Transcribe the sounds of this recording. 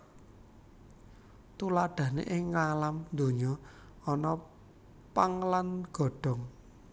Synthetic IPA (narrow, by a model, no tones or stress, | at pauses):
t̪ulaɖ̪̥a̤hnḛʔɪŋːalamd̪o̤ɲɔ | ɔnɔ | paŋlanɡ̥ɔ̤ɖ̥ɔ̤ŋ